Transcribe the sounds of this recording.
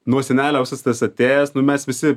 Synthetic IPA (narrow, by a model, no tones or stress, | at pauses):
nuɔsʲɛnʲæːlʲɛɐʊsɐst̪ɐsɐt̪ʲeːjɛsnʊmʲɛsʋʲɪsʲɪ